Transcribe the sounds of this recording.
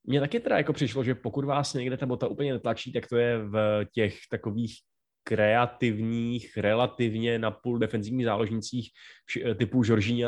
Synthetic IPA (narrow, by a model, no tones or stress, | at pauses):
mɲɛt̪akɪt̪ɛda̰jako̞pr̥ɪʃlo̞ʒɛpo̞kut̪vaːsɲɛɡdɛt̪abo̞t̪aʔuːpl̩ɲɛnɛt̪lat͡ʃiːt̪akt̪o̞jɛvcɛxt̪ako̞viːx | kɾɛat̪ɪvɲiːxɾɛlat̪ɪvɲɛnapuldɛfɛnzɪvɲiːɣzaːlo̞ʒɲɪt͡siːxfʃt̪ɪpuʒo̞ɾʒɪɲɛ